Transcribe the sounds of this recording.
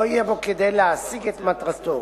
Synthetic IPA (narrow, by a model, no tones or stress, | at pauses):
oijebo̞ked̪ejleasiɡet̪mat̪ʁat̪o